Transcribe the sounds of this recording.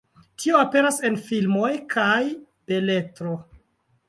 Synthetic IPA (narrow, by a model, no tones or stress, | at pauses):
tʰioape̞ɾase̞nfilmojkʰaj | b̥e̞le̞tɾo